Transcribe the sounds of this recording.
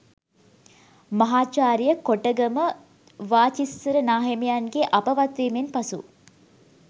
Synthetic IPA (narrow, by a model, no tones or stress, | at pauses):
mɐɦaːt͡ʃaːɾijəkoʈəɡɐmə | ʋaːt͡ʃisːəɾənaːɦemijanɡeʔɐpɐʋɐt̪ʋiːmenpɐsṵ